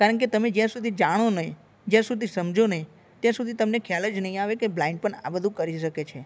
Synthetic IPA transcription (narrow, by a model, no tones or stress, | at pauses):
kaɾəɳk̬et̪əmed͡ʒjãsud̪ʱid͡ʒaɽ̃onəɦĩ | d͡ʒjãsud̪ʱisəmd͡ʒʱonəɦĩ | t̪jãsud̪ʱit̪əmnekʰjaləd͡ʒnəɦĩaʋekeblaɪ̃ɳɖ̚pəɳa̰bəd̪ʱũkəɾiʃəket͡ʃʰe